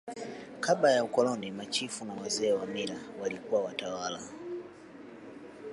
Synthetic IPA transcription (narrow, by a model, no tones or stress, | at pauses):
kablajaukɔlɔnimat͡ʃifunawazɛːwamiɾawalikuwawatawala